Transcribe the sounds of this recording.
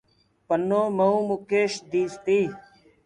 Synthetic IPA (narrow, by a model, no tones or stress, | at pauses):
pənːoːməũːmukeːʃd̪iːst̪iː